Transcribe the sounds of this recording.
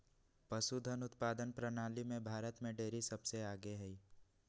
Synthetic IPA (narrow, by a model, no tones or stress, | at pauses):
pəsud̪ʱənʊt̪paːd̪ənpɾənaːlimẽbʱaːɾət̪mẽɖeːɾisɐbseaːɡeɦɛiː